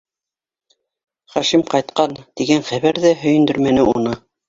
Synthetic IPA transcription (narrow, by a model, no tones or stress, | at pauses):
χæʃimqɑjt̪qɑnt̪iɡænχæβæɾðæɦɵ̆jɘ̆nd̪ɵɾmænɘunɤ